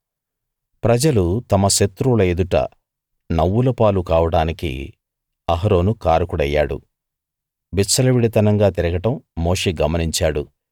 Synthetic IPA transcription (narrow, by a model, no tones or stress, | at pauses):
pɾɐd͡ʒɐlut̪ɐmɐʃet̪ɾulɐed̪uʈɐ̰ | nɐwːulɐpaːlukaːʋɐɽaːnikḭ | ɐɦɐɾo̞ːnukaːɾɐkuɽɐjːa̰ːɽṵ | bisɐlɐʋiɽit̪ɐnɐŋɡaːt̪iɾɐɡɐʈɐmːo̞ːʂeːɡɐmɐniɲt͡ʃaːɽu